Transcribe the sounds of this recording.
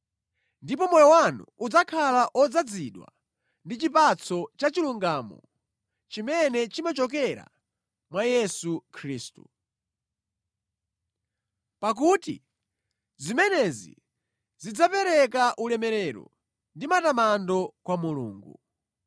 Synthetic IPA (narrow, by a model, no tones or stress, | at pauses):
ndipɔmɔjɔwanṵud͡zakʰalaʔɔd͡zad͡ziɗwa̰ | ndit͡ʃipat͡sʰɔt͡ʃat͡ʃiluŋɡaːmɔ̰ | t͡ʃimɛnɛt͡ʃimat͡ʃɔk̬ɛɾa̰ | mwajɛsukʰɾiːstu | pak̬utḭ | zimɛnɛzḭ | zid͡zapɛɾɛk̬aʔulɛmɛɾɛɾɔ̰ | ndimatamandɔkwamulṵːŋɡu